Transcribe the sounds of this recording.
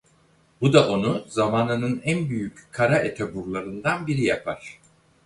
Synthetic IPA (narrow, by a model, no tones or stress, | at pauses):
bud̪aʔo̞nuzamaːnɯnɯnænbyjyckʰːaɾaʔet̪ʰɛbuɾlˠaɾɯnd̪anbiɾijapʰaɾ̥